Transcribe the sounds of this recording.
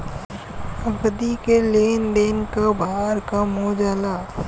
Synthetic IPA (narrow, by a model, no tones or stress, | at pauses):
əɡd̪ikeleːnd̪eːnkabʱaːɾkamoːd͡ʒala